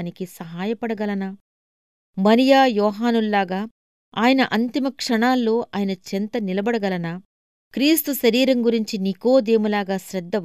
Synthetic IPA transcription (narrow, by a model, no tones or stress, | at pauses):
nikisɐɦaːjɐpɐɽɐɡɐlɐnɐ | mɐnijaːjɔːɦaːnulːaːɡaː | aːjɐnɐʔɐnt̪imɐkʂɐɳaːlːo̞ːʔaːjɐnɐt͡ʃent̪ɐnilɐbɐɽɐɡɐlɐnɐ | kɾiːst̪uʃɐɾiːɾɐŋɡuɾiɲt͡ʃiniko̞ːd̪e̞ːmulaːɡaːʃɾɐd̪ʱːɐ